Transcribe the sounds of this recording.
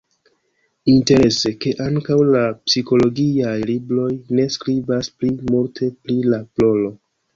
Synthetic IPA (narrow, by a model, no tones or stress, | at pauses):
inte̞ɾe̞se̞ke̞ʔaŋkawlapsiko̞lo̞ɡiajlibɾo̞jne̞skɾibasplimultʰe̞pɾilaplo̞lo̞